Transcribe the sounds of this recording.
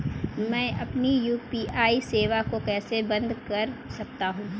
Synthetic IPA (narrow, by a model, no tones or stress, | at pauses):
mɛ̃ːʔɐpnijuːpiʔaːiseːʋakokɛːsebɐ̃nd̪kɐɾsɐk̚t̪aɦũː